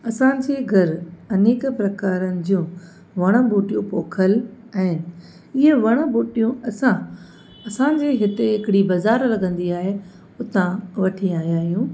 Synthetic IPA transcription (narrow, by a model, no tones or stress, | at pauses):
ɐsãd͡ʑeːɡʱɐɾɐneːkpɾɐkaːɾənɪ̆d͡ʑũː | ʋɐɽ̃ə̆buːʈijũpoːkʰəl | ɛ̃ɦɪːnɪ | ɪɦəʋɐɽ̃əbuːʈijũɐsã | ɐsãd͡ʑeːɦɪt̪eɦɪkɪɽibɐzaːɾlɐɡə̃nd̪iaːɦe | ʊt̪ãʋɐʈʰiaːɦijaːɦijũː